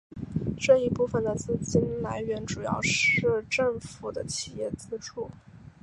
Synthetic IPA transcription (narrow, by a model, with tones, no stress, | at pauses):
ʈ͡ʂɤ˥˧i˥˧pu˥˩fə˨˩nd̪ə˩t͡sɹ̩˥˩t͡ɕi˥nla˧˥ɪɥɛ˧˥nʈ͡ʂu˨˩jɑ̰˥˧ʊʂɻ̩˥˧ʈ͡ʂɤ˥˩ŋfu˨˩d̪ə˦t͡ɕʰi̥˨˩jɛ˥˩t͡sɹ̩˥ʈ͡ʂʰu˥˩